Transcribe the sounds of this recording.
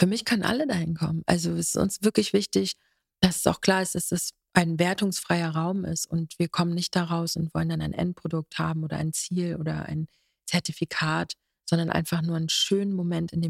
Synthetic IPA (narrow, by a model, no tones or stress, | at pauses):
fyːɐmɪçkʰœnənʔa̰lədahɪnkʰɔmənʔa̰lzoɛsɪ̥stʊ̰nsv̥ɪɐklɪçv̥ɪçtɪç | d̥asɛ̥sa̰ʊxkl̥aːɐɪst̚d̥asd̥as | ʔaɪnveːɐtʊŋsfʁ̥aɪɐʁaʊmɪ̰stʊntv̥iːɐkʰɔmənːɪçt̚d̥aʁaʊsʊntv̥ɔləndanaɪnʔɛ̰nt̚pʁ̥odʊk̚thaːbm̩oːɾɐ̰ʔa̰ɪnt͡siːlʔoːdɐ̰ʔa̰ɪn | t͡sɛɐtifikʰaːt | z̥ɔndɐnʔa̰ɪnfaχnuːɐaɪnʃøːnənmomɛntɪndeː